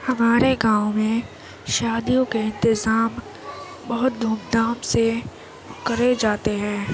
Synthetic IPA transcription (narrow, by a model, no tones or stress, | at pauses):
hɐmaːɾeɡãːʊmẽ | ʃaːd̪ijõkeɪ̃nt̪ɪzaːm | bɐɦʊt̪̚d̪ʱuːmd̪aːmse | kɐɾed͡ʒaːt̪eɦɛ̃ː